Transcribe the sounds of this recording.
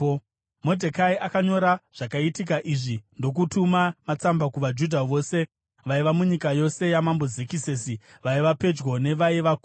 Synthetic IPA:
mo̞dʱekaiʔakaɲo̞ɾaʐ̥akaitik̬aʔiʐindo̞k̬utumamat͡sambakuʋad͡ʒudʱaʋo̞ːse̞ | ʋaiʋamuɲikajo̞se̞jamambod͡zekisesi | ʋaiʋape̞d͡ʒɡo̞ne̞ʋaiʋak

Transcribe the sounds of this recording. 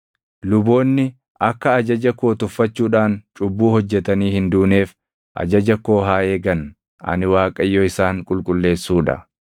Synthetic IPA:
lʊbo̞ːnːɪ | ʔɐkːɐːd͡ʒɐd͡ʒɐko̞ːt̪ʊfːɐt͡ʃːuːᶑaːnt͡ʃʼʊbːuːhɔd͡ʒːɛt̪ɐniːhɪnd̪uːne̞ːf | ʔɐ̰d͡ʒɐd͡ʒɐkːo̞ːɦaːʔeːɡɐn | ʔɐ̰nɪwaːkʼɐjːɔɪsaːŋkʼʊlkʼʊlːe̞ːsuːᶑɐ̰

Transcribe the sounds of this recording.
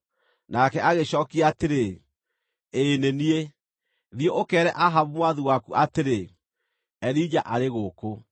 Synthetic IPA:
nakɛʔaɣeɕɔːkiaateɾe | eːnenie | ðioʔokɛːɾɛʔaɦamwaðuwakuʔateɾe | ɛɾid͡ʑaʔaɾeɣoːko

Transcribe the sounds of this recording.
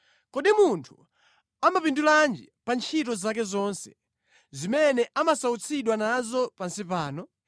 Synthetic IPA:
kɔɗimuntʰu̥ | amapinduland͡ʒipant͡ʃʰitɔzak̬ɛzɔːnsɛ̥ | zimɛnɛʔamasaut͡sʰiɗwanazɔpansipaːnɔ

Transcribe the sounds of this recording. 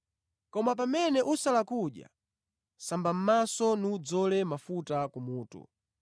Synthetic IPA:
kɔmap̬amɛnɛʔusalakuɗja̰ | sambam̩masɔnud͡zɔlɛmafutakumuːtṵ

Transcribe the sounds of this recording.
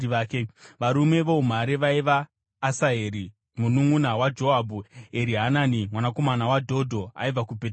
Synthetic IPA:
keʋaɾume̞ʋoum̤aɾeʋaiʋaː | saɦeːɾi | munuŋunawad͡ʒo̞abʱueɾiɦanaːnimwanako̞manawadʱo̞dʱo̞a̰ib͡vakubʱe

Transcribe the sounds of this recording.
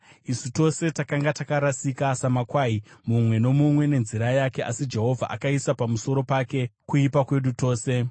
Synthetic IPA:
isuto̞se̞takaŋɡatakaɾasikasamakwaimumwe̞no̞mumwe̞ne̞nziɾajake̞ʔa̰sid͡ʒe̞ɦo̞vʱa̰ʔa̰kaisapamuso̞ɾo̞pake̞kuipakwe̞ɗuto̞ːse̞

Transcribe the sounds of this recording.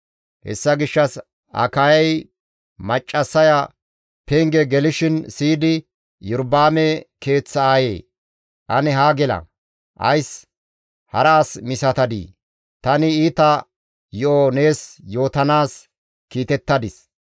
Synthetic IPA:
hɛ̰sːɐɡɪʃːɐs | ɐ̰kɐjɐj | mɐt͡ʃʼːɐsːɐjɐ | pɛŋɡɛɡɛlɪʃɪnsiːd̪ɪ | jʊɾbaːmɛke̞ːt͡sːɐaːjḛː | ʔɐnɛɦaːɡɛlɐ̰ | ʔɐ̰js | hɐɾaːsmɪsɐt̪ɐd̪ḭː | t̪ɐnɪiːt̪ɐ | jɪʔone̞ːsjo̞ːt̪ɐnaːs | kiːt̪ɛt̪ːɐd̪ɪs

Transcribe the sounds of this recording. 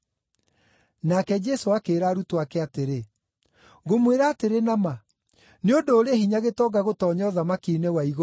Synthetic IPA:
nakɛd͡ʒɛsoakeːɾaɾutoakɛateɾe | ɡomweɾaːteɾenama | neondoːɾehiɲaɣetɔɡaɣotɔːɲɔðamakinewaiɣo

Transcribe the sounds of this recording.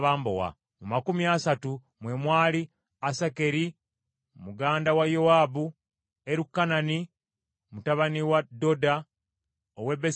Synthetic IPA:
βaːmbo̰wa̰ | mumakumiasatu | mwe̞mwaːli | asake̞ɾi | muɡaːndawajowaːbu | eɾukːanani | mutaβaniwadoda | owe̞be

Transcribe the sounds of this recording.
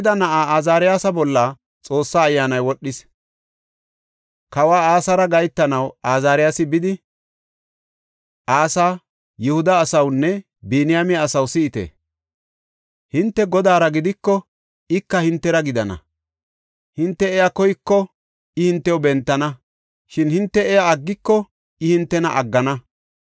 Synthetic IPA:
d̪ɐnɐʔaːaːzaːɾɪjaːsɐbɔlːɐ | t͡sʼo̞ːsːaːjːaːnɐjwɔɗːɪs | kɐwaːaːsɐɾɐɡɐjt̪ːɐnɐwaːzaːɾɪjaːsɪbɪd̪ɪ | ʔaːsaː | jɪhʊd̪ɐːsɐwnːɛ | biːnɪjamɪaːsɐwsɪɪt̪ḛː | hɪnt̪ːɛɡɔd̪aːɾɐɡɪd̪ɪkːɔ | ɪkːɐhɪnt̪ːɛɾɐɡɪd̪ɐnɐ̰ | hɪnt̪ːɛɛjakɔjɪkːɔ | ɪhɪnt̪ːɛwɔbɛnt̪ːɐnɐ | ʃɪnhɪnt̪ːɛɛjaːɡːɪkːɔ | ɪhɪnt̪ːɛnɐ̰ʔɐɡːɐnɐ

